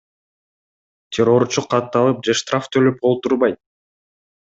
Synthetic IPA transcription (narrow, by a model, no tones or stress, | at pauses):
t̪ʲʰeɾo̞ɾt͡ʃuqʰːɑt̪ːɑlˠɯp̚d͡ʒeʃt̪rʔaft̪ʰøløp̚olˠt̪uɾbɑjt̪̚